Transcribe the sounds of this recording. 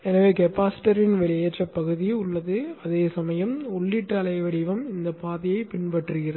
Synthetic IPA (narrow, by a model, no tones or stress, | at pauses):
ɛnɐʋeːkɛpaːsɪ̥ʈɐɾɪnʋɛɭɪeːʈrɐpːɐɣɯðiʊɭːɐðɯɐðeːsɐmɐjɐmɔɭːɪʈːɐlɐɪʋɐɽɪʋɐmɪnd̪ɐpaːðɐjɐɪpɪnpɐʈrɯɣɪrɐ